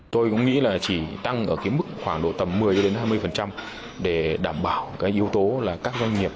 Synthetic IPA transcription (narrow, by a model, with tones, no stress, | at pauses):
t̪o˧jkʊ̰˧˥ŋ͡mŋḭ˧˥laː˨˩t͡ɕi˧˩t̪a˧ŋʔəː˧˩kaː˨˦jmɨ˦˥k̚xwaː˧˩ŋɗo̰˧˨t̪ə˨˩mːɨ˨˩əjt͡ɕɗe˨˦nɦaː˧jmɨ˧əjfə˨˩nt͡ɕa˧m | ɗe˧˩ɗaː˧˩mɓaː˧˩wkaː˨˦jʔi˨˦əwt̪o˨˦laː˨˩kaː˦˥k̚zwa˧ŋ̟ŋi˨˩əp̚